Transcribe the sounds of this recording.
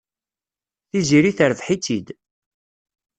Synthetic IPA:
θiziɾiθəɾvħit͡sːid̪

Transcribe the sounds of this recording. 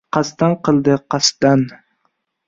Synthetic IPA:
qɑst̪anqʰəlˠd̪ɨqʰɑst̪an

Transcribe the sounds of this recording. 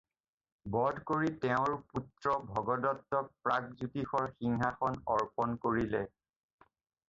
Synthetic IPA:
bɔdkoɹitɛʊ̃ɹputɹɔbʱɔɡɔdɔtːɔk̚pɹakzutixɔɹxiŋɦaxɔnɔɹpɔnkoɹilɛ

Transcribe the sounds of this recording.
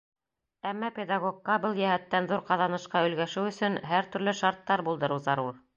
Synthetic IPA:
æmːɑpʲed̪ɑɡokːɑbɤlˠjæhæt̪ːænðuɾqɑðɑnɤ̆ʃqɑɵ̆lɡæʃɘwɵ̆sɵnɦæɾt̪ɵ̆ɾlɵʃɑɾt̪ːɑɾbulˠd̪ɤ̆ɾɤwzɑɾuɾ

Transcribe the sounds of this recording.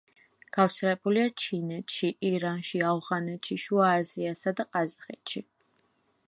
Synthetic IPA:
ɡ̥afɾt̪sʰɛlɛbuliat͡ʃʰinɛt̪ʰʃiʔiɾanʃiavʁanɛt̪ʃiʃuaːziasad̪aqʼazaχɛt̪ʃi

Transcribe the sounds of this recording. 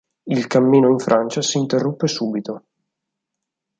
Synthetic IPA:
ilkamːiːnoiɱfɾʔant͡ʃasiːnt̪erːupːesuːbit̪o

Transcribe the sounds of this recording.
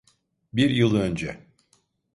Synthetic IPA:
biɾjɯlˠø̞nd͡ʒɛ

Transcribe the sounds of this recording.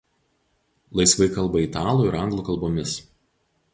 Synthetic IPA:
lˠɐɪsʋɐɪkɐlˠbɐit̪ɑːlˠuːɪɾɐŋɡlˠuːˑkɐlˠboːmʲɪs

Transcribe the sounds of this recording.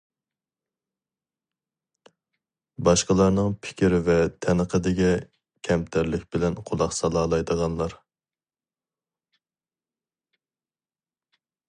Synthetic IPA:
bɑʃqəlˠɑɾnɨŋpʰɪ̥kʲiɾɪvɛt̪ʰɛnəqʰəd̪ɪɡʲɛ | kʲʰɛmt̪ʰæɾlɪkʲbɪlɛnqʰolˠɑqsɑlˠɑːlˠɑjd̪əʁɑnlˠɑɾ

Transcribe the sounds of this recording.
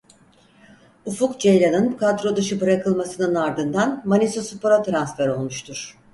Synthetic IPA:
ufukd͡ʒejlʲanɯnkʰad̪ɾo̞d̪ɯʃɯbɯɾakɯlˠmasɯnɯnaɾd̪ɯnd̪anmanisosupoɾat̪ɾansfæɾo̞lˠmuʃt̪ʰuɾ̥

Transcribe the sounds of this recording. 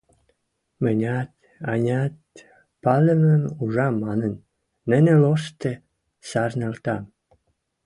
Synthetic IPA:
mə̆nʲɑt̪̚ | ɑnʲɑt̪̚ | pɑlə̆məmuʒɑmɑnə̆nː | ə̆nelost̪ĕ | sɑrnə̆lt̪ɑm

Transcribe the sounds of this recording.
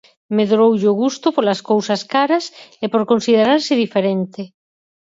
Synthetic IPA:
meðɾowʎoɣ̞ust̪opolaskowsaskaɾasepoɾkonsið̞eɾaɾsɪðifeɾent̪e

